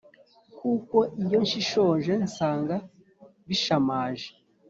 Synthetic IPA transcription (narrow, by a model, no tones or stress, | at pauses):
kuːko̞ʔijo̞nʃiʃo̞ːnʒe̞nsaːŋɡa | βiʃamaːʒe̥